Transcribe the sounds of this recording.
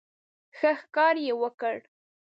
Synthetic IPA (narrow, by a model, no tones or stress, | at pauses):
xəxkɑɾjewəkəɽ